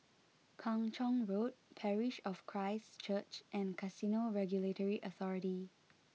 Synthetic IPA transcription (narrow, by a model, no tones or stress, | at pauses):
kʰɔ̃ŋt͡ʃɔ̃ŋɹot̚pʰɛɹiʃɔfkʰɹaɪst͡ʃət͡ʃʔɛ̃nkʰasinoɹɛɡjuletəɹiʔəθɔɹiti